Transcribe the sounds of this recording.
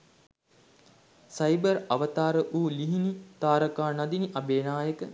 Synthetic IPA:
sajbəɾɐʋət̪aːɾəʔuːliɦinit̪aːɾəkaːnad̪iniʔabeːnaːjəkə

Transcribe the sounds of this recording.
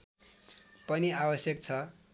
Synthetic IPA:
pʌniabʌsjʌk̚t͡sʰʌ

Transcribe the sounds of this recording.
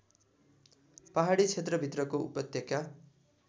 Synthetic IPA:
paɦaɽit͡sʰet̪rʌbʱit̪rʌkoupʌt̪jʌka

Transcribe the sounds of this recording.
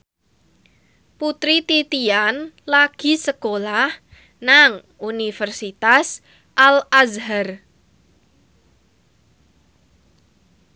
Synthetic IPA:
put̪ɾit̪it̪ianlaɡ̥i̤səkolah | naŋ | unifərsit̪as | ʔalazɦar

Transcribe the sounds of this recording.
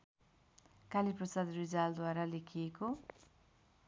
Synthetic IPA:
kaliprʌsad̪rid͡zald̪waɾalekʰijeko

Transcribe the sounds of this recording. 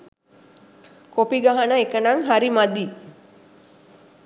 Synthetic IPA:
kopiɡaɦanəekənaŋɦaɾimad̪iː

